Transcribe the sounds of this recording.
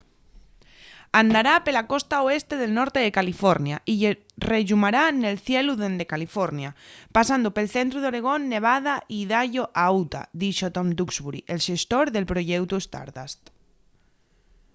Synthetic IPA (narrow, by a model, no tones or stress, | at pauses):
and̪aɾapelako̞st̪aoest̪e̞ðelnoɾt̪eðekalifoɾnjaʔiʝe | reʒumaɾanelθjeluðend̪ekalifoɾnjapasand̪ope̞lθent̪ɾuðo̞ɾe̞ɣ̞o̞nːe̞β̞aðaʔiðaʝoʔawt̪a̰ðiʃot̪omd̪ukzβuɾiʔelʃe̞st̪oɾðe̞lpɾoʝewt̪uest̪a̰ɾða̰st̪